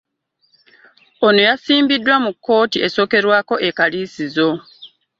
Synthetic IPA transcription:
ono̞jasiːmbidːwamukːo̞ːtiʔe̞so̞ːke̞ɾwaːko̞ʔekaliːsizo̞

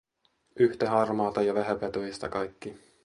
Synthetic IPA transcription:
ʔyht̪eɦɑrmɑːt̪ɑjɑʋæɦæpet̪ojist̪ɑkɑjkːi

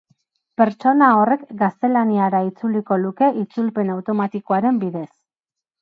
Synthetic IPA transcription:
pe̞ɾt͡ʃo̞nao̞re̞kɡast̪e̞laniaɾait͡suliko̞luke̞ʔit͡sulpe̞nawt̪o̞mat̪iko̞aɾe̞mbiðe̞s

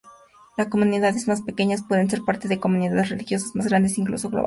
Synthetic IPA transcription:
lasko̞mũniðaðe̞zmaspe̞ke̞ɲaspwe̞ðe̞nse̞ɾpaɾt̪e̞ðeko̞mũniðaðe̞srelixjo̞sazmazɣɾand̪e̞siŋklṵso̞ɣlo̰βa

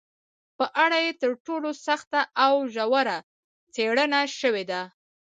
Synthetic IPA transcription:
pəʔaɽajet̪əɾʈolosaxt̪aʔawʒawaɾa | t͡seɽənaʃəwed̪a

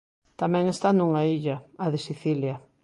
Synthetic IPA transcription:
t̪amɛ̃ŋest̪anũŋaiʎɐːðesiθilja

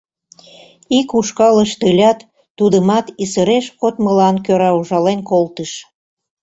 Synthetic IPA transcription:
ikuʃkɑləʃt̪əlʲɑt̪ː | ud̪əmɑt̪isəɾeʃkot̪məlɑnkøɾɑuʒɑlenkolt̪əʃ

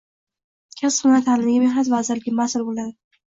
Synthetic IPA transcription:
kʲʰasχʊnat̪ʰalɪmnɪɡʲamehnat̪vazɪɾlɪɡʲɪmasɪlbolad̪ɪ

